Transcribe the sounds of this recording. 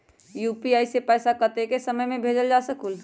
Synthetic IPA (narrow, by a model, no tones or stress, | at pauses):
juːpiaːisepɛːsakəɾt̪ekesəməjmẽbʱeːd͡ʒəld͡ʒasəkul